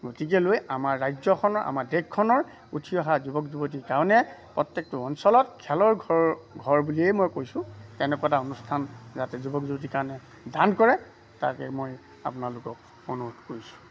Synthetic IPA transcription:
ɡotikɛlojamaɹːajzɔkʰɔnɔɹa̰maɹdekkʰːɔnɔɹ | utʰiɔɦazubɔkzubot̬ikaɹɔnɛpɹɔtjek̚tɔɔnsɔlɔtkʰɛlɔɹɡʱɔɹbuliɛjmojkojsʊ̃tɛnɛkataonustʰanzatɛzubɔkzubot̬ikaɹɔnɛ | dankɔɹɛ | ta̰kɛ̰moj | a̰pʊnalʊkɔk̚ | onuɦutkoɹisʊ̥̃

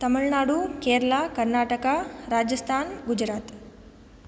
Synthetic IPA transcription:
t̪ɐmiɭnaːɽukeːɾɐlakɐɾnaːʈɐkaɾaːd͡ʒjɐst̪ʰaːnɡud͡ʒɾaːt̪

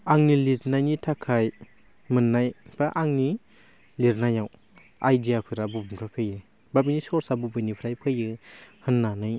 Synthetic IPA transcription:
aŋniliɾnajnitʰakʰaj | mɯnːajb̥aʔaŋni | liɾnajaw | ajdijapʰɯɾabubmɾapʰejɯ | babinisɔɾsabubɯjnipʰɾajpʰɯjɯhɯnːanɯj

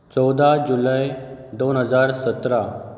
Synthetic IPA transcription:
t͡sɔwd̪ad͡ʑulajd̪onɦəd͡zaɾsət̪ɾa

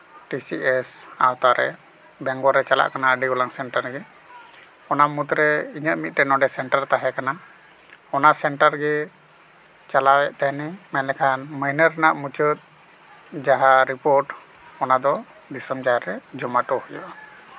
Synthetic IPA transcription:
ʈisiʔɛsa̰wt̪aɾɛ̰ | bɛŋɡɔɾɛt͡ʃala̰ʔkanaəɖiɡɔlaŋsɛɳʈəɾɡɛ | ɔnamut̪ɾɛiɲəʔ̪̚mit̪̚ʈɛnɔɖɛsɛɳʈəɾt̪aɦɛkana | ɔnaʔsɛɳʈəɾɡɛ | t͡ʃalawɛʔt̪aɦnɛmɛnlɛkʰanməjnəɾnaʔmut͡ʃət̪̚ | d͡ʒaɦaɾipoɾʈ | ɔnad̪ɔ | d̪isəmd͡ʒaɦaɾɛd͡ʒɔmaʈɔhuja̰ʔa

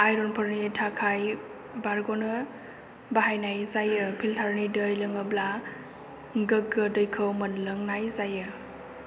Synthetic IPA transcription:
ajɾɔnpʰəɾnitʰakʰaj | baɾɡɔnɯ | baɦajnajzajɯpʰiltʰaɾnidəjlɯŋəbla | ɡɯɡ̚ɡɯdəjkʰɯwmɐnləŋnajzajɯ

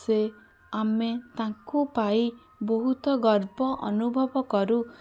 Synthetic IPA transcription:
se | amet̪ãkupai | bɔɦut̪ɔɡɔɾbɔʔɔ̰nubʱɔbɔkɔɾu

